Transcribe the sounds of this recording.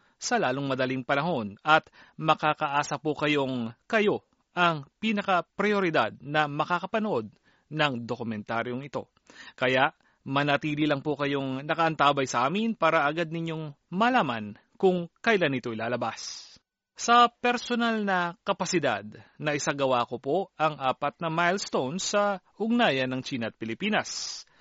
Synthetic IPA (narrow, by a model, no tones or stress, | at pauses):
sɐlaːloŋmɐd̪ɐliŋpɐnɐɦo̞nɐt̪mɐkaːkɐʔaːsɐpukɐjo̞ŋkɐjo̞ | ʔɐŋpiːnɐkɐpɾɛjoɾɪd̪a̰d̪̚nɐmɐkakɐpɐnoʔo̞d̪̚ | nɐŋd̪okʊmɛnt̪aɾjo̞ŋɪt̪o̞ | kɐjaʔ | mɐnɐt̪iːlilɐŋpokɐjo̞ŋnɐkɐʔɐnt̪aːbɐjsɐʔaːmɪnpaːɾɐʔɐɡad̪̚nɪɲjo̞ŋmɐlaːman | kʊŋkɐjlanːɪt̪o̞ʔɪlaːlɐbas | sɐpɛɾsonalnɐkɐpɐsɪd̪a̰d̪̚nɐʔɪsaɡɐwaːkopoʔɐŋʔaːpɐt̪̚nɐmajlst̪ownsɐʔʊɡ̚naːjɐnːɐŋt͡ʃiːnɐʔɐt̪̚pɪlɪpiːnɐs